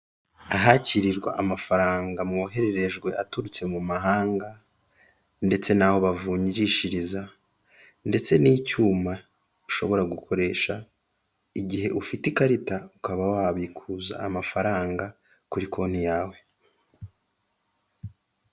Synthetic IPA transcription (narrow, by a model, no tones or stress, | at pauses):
aɦaciɾiɾɡwa̰ʔamafaɾaːŋɡamuoɦe̞ɾe̞ɾe̞ʒɡwe̞ʔatuɾut͡se̞mumaɦaːŋɡa | nde̞t͡se̞naːho̞βavuːɲiɾiʃiɾiza | nde̞t͡se̞niːcuːma | uʃo̞βo̞ɾaɡukʰo̞ɾe̞ːʃa | iɟiɦe̞ʔufitikaɾitaukaβawaβikʰuza̰ːmafaɾaːŋɡa | kuɾikʰo̞n̥hijaːwe̞